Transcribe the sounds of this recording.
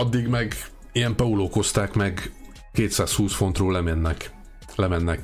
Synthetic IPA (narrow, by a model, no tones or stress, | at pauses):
ɒd̪ːiɡmɛɡ | ijɛmpɒuloːkho̞st̪aːkmɛɡ | keːt̪saːshuːsfo̞nt̪roːlɛmɛnːɛk | lɛmɛnːɛk